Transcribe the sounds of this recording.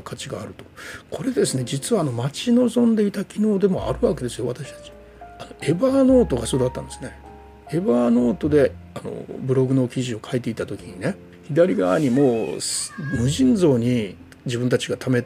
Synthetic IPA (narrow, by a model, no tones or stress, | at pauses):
kʰat͡ɕiɡaːɾɯ̟t̪o̞̥kʰo̞ɾe̞d̪e̞sɨne̞d͡ʑit͡sɨβaːno̞mat͡ɕino̞zõ̞nd̪e̞it̪akʲino̞ːd̪e̞mo̞̰a̰ɾɯ̟βake̞d̪e̞sɨjo̞βat̪aɕi̥t̪ḁt͡ɕi̥ | ano̞e̞bano̞ːt̪o̞ɡaso̞ːd̪at̪ːã̰nd̪sɨ̥ne̞ | e̞bano̞ːt̪o̞d̪e̞ano̰bɯ̟ɾo̞ɡɯ̟no̞kʲiʑio̞kʰait̪e̞it̪ːat̪o̞kʲiɲ̟ine̞ | çid̪aɾʲiɡa̰βa̰ɲ̟imo̞ːsmɯ̟ʑĩnd͡zo̞ːɲ̟i | d͡ʑibɯ̃nt̪at͡ɕiɡat̪ʰame̞